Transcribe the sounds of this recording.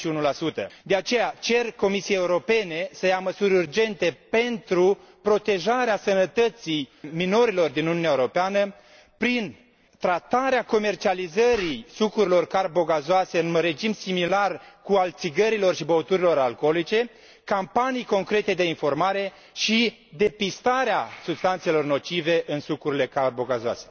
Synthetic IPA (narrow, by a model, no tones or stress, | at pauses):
ʃiunulasut̪ə̰d̪e̞at͡ʃe̞jat͡ʃe̞rko̞misiejeuɾo̞pe̞ne̞səjaməsuɾʲurd͡ʒe̞nt̪e̞pe̞nt̪ɾu | pɾo̞t̪e̞ʒaɾeasənət̪ət̪sijmino̞ɾilo̞rd̪inununʲaeɾopeanə | pɾin | t̪ɾat̪aɾeako̞me̞rt͡ʃializəɾisukuɾilo̞rkarbo̞ɡazoaseɨnre̞d͡ʒimsimilarkualt̪siɡəɾilo̞rʃibowt̪uɾilo̞ɾalko̞lit͡ʃe̞ | kampanijko̞ŋkɾe̞t̪e̞d̪e̞info̞rmaɾe̞ | ʃi | d̪e̞pist̪aɾeasub̥st̪ant̪selo̞rno̞t͡ʃive̞ʔɨnsukuɾile̞karbo̞ɡazoa̰se̞̥